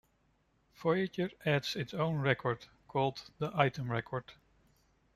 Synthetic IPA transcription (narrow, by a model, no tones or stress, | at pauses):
fɔit͡ʃəɹʔædz̥ɪtsõʊ̃nɹɛkʰɔɹd̥ | kʰɔlˠdðiʔaɪtə̃mɹɛkʰɔɹd̥